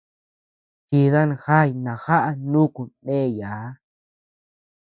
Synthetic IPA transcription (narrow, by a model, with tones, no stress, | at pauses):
t͡ʃi˧ða˦nxa˦˨jnã˨xa˦ʔa˧nũ˦ku˨ẽ˦˨ja˨˦